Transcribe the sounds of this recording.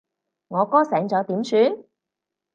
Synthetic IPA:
ŋɔː˨˧kɔː˥sɛː˨˧ŋt͡sɐ˨˧wt̪iː˨˥msyː˨˧n

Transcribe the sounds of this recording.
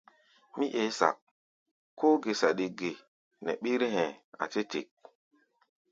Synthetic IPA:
mi˦ʔe˨˦sa̰˨k̚ | kːoː˦ɡe˨sa˨ɗi˨ɡe˨ | nɛ̰˨ɓi˦ɾɦɛ̃˨a̰˨te˦te˨k̚

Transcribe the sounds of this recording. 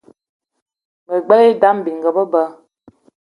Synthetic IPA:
mə˨ɡ͡bɛ˦li˦da˨˦m˦˨bi˨ŋ˨ɡə˨bə˦bə˦

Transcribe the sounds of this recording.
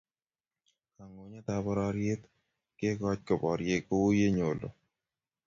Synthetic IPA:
a˨ŋo˨ɲa˦t̪abɔ˦ɾaɾje˦t̪ | ke˦kɔ˦t͡ʃ̚kɔ˨pɔ˨ɾje˦ko˦u˦je˦ɲo˨lo̰˨

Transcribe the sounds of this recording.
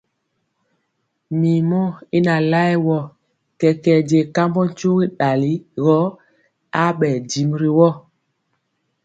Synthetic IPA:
mi˨mɔ˦i˦na˨la˦ɛ˦wɔ˦˨ | kɛ˨kɛ˨ɟe˨ka˦mbɔ˦n̩˦t͡ʃu˦ɣi˦ɗa˨li˦ɣɔ˦ | a˦ɓɛ˨di˨mɾi˦wɔ˦˨

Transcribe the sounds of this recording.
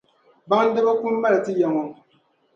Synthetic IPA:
ba˦ŋn̩˦dɨ˦ba˦ku˦mː˦a˦lɨ˨tɨ˦jɛ˨ŋo˨

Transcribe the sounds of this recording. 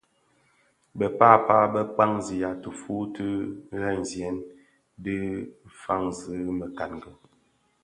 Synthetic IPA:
bə˨paː˦˨paː˦bə˦k͡pa˦ŋzi˨ja˨tə˨fu˦tə˦ɣɛ˦˨n˨zjɛ˨˦n | di˦fa˦ŋzə˨˦mə˨ka˨nɡə˨

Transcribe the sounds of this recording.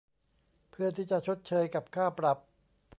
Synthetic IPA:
pʰɯ˥˩ɐt̪ʰiː˥˩t͡ɕa˨˩ʔt͡ɕʰo˦˥t̪̚t͡ɕʰɤː˧jka˨˩p̚kʰaː˥˩pɾa˨˩p̚

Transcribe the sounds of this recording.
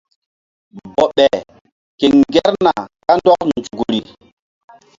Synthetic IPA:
bɔ˨ɓɛ˨ | ke˨ŋɡɛ˦ɾna˨ka˦ndɔ˦knd͡ʒu˨ɡu˨ɾi˨

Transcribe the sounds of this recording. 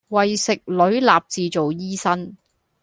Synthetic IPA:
wɐ˨jsɪ˨k̚lɵ˨˥ɥlaː˨p̚t͡siː˨˧t͡so˨wjiː˥sɐ˥n

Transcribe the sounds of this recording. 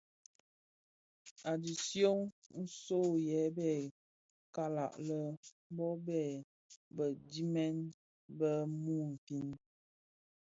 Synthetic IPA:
a˨di˨sjo˦ŋn̩˦so˦˨jɛ˨˦bɛ˦˨ | ka˦la̰˨ʔlə˦ | bɔ˦bɛ˦˨ | bə˨di˦mɛ˦n | bə˦mu˦˨m̩˨fi˦n

